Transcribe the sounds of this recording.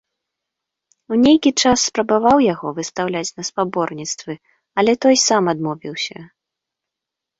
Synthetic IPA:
wnʲejkʲit͡ʂasːpɾɐbavawjaɣɔvɨst̪awlʲat͡sʲnɐspabɔrnʲit̪st̪vɨ | ɐlʲɛt̪ɔjsamad̪mɔvʲiwsʲɐ

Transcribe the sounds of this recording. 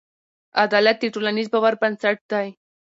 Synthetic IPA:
ad̪alat̪̚d̪iʈulanizbawaɾpansaʈ̚d̪aj

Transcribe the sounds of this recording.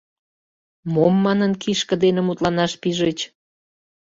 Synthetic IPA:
momːɑnənkiʃkə̆d̪enĕmut̪lɑnɑʃpiʒet͡ɕ

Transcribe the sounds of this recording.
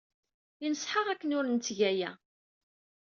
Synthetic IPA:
inəsˤħəʁækːənʊɾənt̪ːʝæjæ

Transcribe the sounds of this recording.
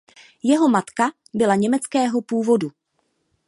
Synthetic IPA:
jɛɦo̞mat̪ka | bɪlaɲɛmɛt͡skɛːɦo̞puːvo̞du

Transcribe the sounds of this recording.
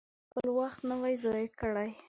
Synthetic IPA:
pəlwaxt̪nəwajzɑjkəɽaj

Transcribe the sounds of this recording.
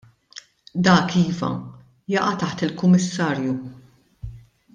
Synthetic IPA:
d̪ɐːkiːvɐ̰ | jɐʔɐt̪ɐħt̪ɪlkʊmːɪsːɐːɾju

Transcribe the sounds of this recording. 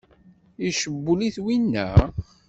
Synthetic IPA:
iʃəbːuliθwinːæ̰

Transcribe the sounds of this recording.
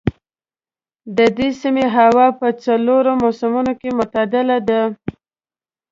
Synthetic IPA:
d̪əd̪esimeɦawɑpət͡saloɾomosamunokemʊt̪ad̪ɪlad̪a

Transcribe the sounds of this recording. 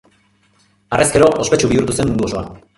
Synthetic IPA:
are̞ske̞ɾo̞ʔospe̞t͡ʃuβiuɾt̪use̞mːund̪uo̞so̞a̰

